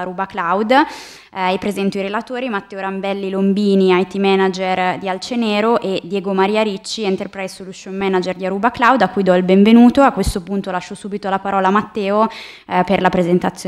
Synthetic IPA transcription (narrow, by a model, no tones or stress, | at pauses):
ɾuːbaklawd̪ | ipɾezɛnt̪oiɾelat̪oːɾimat̪ːɛːoɾambɛlːilombiːniajt̪imɛnad͡ʒerd̪ialt͡ʃeneːɾoʔed̪jɛːɡomaɾiːaɾit͡ʃːient̪erpɾɛjsuluʃonmɛnad͡ʒerd̪iaɾuːbaklawd̪akːujd̪ɔilbeɱvenuːt̪oakːwest̪opunt̪olaʃːosuːbit̪olapaɾɔːlamat̪ːɛːo | perlapɾezent̪at̪sːj